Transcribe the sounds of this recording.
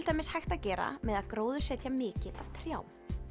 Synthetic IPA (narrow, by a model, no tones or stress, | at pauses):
lt̪ajmɪnshajxt̪acɛːɾa̰mɛðaðkɾoːwðʏ̥sɛːt̪ʰjamɪːcɪða̰v̥t̪ʰɾjaːwm